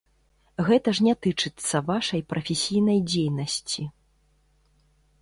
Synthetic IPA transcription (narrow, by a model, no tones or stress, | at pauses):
ɣɛt̪ɐʐnʲat̪ɨt͡ʂɨt̪sːɐvaʂɐjpɾɐfʲesʲijnɐjd͡zʲejnɐsʲt͡sʲi